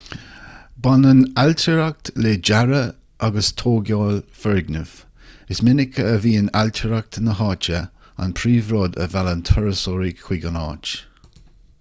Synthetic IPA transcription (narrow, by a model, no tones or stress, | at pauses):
banənalt̪ʰəɾak̚tleːd͡ʒaɾə | ʔaɡəst̪ʰoːɡjaːlfɛɹɡnəv̥ | ɪsmɪnɪkʰəːviːənalt̪ʰəɾak̚tnəɦɑːt͡ʃə | a̰npʰɾiːvɾɔːd̪ə̰valənt̪ʰɔɹəsɔɾikʰw̥iɡənɑ̰ːt͡ʃ